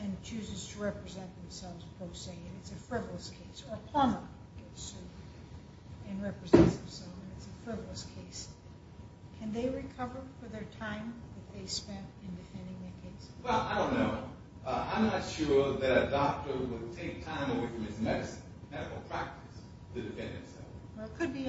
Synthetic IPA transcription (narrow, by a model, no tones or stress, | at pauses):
ɨ̃nt͡ʃʰʉzɨz̥tʰɨɹɛpɹɨzɛ̃nðɨ̃msɛlˠvz̥pʰɹ̥oʊseɪɨ̃nɨtsɨfɹɪvl̩ˠəskʰeɪsə˞pʰl̥ʌ̃nə | ɡ̥ɛtʉv | ɨ̃nɹɛpɹɨzɛ̃ntsð̃msɛlˠzɨ̃nɨtsɨfɹɪvl̩ˠəskʰeɪs | kʰɨ̃nðeɪɹɨkʰʌvə˞fə˞ðə˞tʰãɪ̃mðɨt̪̚ðeɪspɛ̃ntɪ̃ndɨfɛ̃ndɪ̃ŋðɨkʰeɪswɛlˠaɪɾõʊ̃nːoʊ | ã̰ɪ̃mnɨtʃʊɹðɨɾɨdɑk̚tə˞wəd̚tʰeɪk̚tʰãɪ̃məweɪfɹʌ̃mɨzmɛɾɨsɨ̃nʰnɛɾɨkl̩ˠpʰɹ̥æk̚tɨs | tʰɨdɨfɛ̰̃nd̚ɨ̃msɛ̰lˠfwɛkʰɨd̚bi